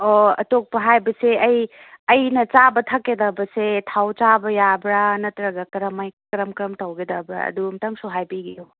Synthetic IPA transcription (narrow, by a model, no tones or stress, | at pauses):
oɐ̰tok̚pɐɦajbɐseɐj | ɐjnɐt͡ʃabɐtʰɐkːedɐbɐsetʰawt͡ʃabɐjabɾanɐtɾɐɡɐkɐɾɐmɐjkɐɾɐmkɾɐmtɐwɡedɐbɾɐ̰ɐ̰dumtɐŋsuɦajpiɡijo